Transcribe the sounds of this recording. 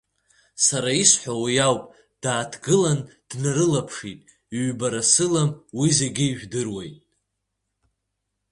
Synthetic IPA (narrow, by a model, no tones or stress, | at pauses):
saɾaisħʷawajawpʼ | d̥aːtʰɡɨland̥naɾɨlapʰʂitʼ | iɥbaɾasɨlamwize̞ɡʲɪiʒʷᶣdɨrwḛjtʼ